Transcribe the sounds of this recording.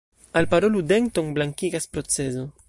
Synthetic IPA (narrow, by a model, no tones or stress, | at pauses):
alpaɾolud̪eŋt̪oŋblaŋkiɡaspɾot͡sezo